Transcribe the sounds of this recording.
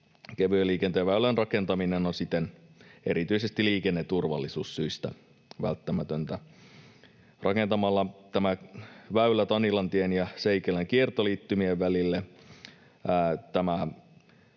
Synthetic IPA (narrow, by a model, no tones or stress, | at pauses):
keʋyeliːkent̪ejɑʋæylænrɑkent̪ɑminenonsit̪ːˑene̞̰ɾit̪yisest̪iliːkenːet̪urʋɑ̰lːisuːssyist̪æ̰ | ʋæ̰lt̪ːæmæt̪ønt̪æ | rɑkent̪ɑmɑlːɑt̪æmæʋæylæt̪ɑnilɑnt̪ienjɑseikeleŋkiert̪oliːt̪ːymieʋʋælilːe | æt̪æmæ